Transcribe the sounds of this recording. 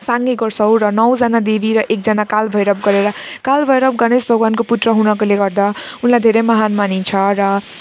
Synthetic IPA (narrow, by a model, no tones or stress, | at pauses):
saŋɡeɡʌrsʌwɾʌnʌwd͡zanad̪ebʱiɾʌʔek̚d͡zʌnakalbʱʌjɾʌb̚ɡʌɾeɾʌkalbʱʌjɾʌb̚ɡʌnesbʱʌɡwankoput̪rʌɦunʌkoleɡʌrd̪a | unlajd̪ʱeɾʌjmʌɦanmanit͡sʰʌɾʌ